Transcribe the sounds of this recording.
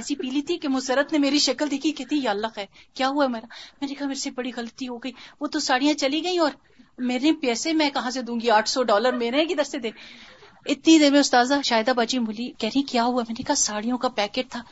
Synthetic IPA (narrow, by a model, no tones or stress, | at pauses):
ɛːsipiːlit̪ʰikemʊsɐɾət̪nemeːɾiʃɐkəld̪eːkʰikɛːt̪ʰijalːəxɦɛːkjaːɦuaɦɛmeːɾaːmɛːnekɐɦameːɾsebɐɽiɣɐlət̪iɦoɡɐiːʋoːt̪osaːɽijãt͡ʃɐliɡɐĩɔːɾ | meːɾẽpɛːsemɛ̃kɐɦãsed̪ũːŋɡiaːʈʰsɔɖɔːləɾmeːɾẽkid̪ɐɾsed̪eː | ɪt̪nid̪ɪnmẽʊst̪aːzaʃaːjɪd̪abaːt͡ʃimʊlikɛːɾeɛ̃kjaːɦuamɛ̃ːnekɐɦasaːɽijõkapɛːkeːʈ̚t̪ʰaː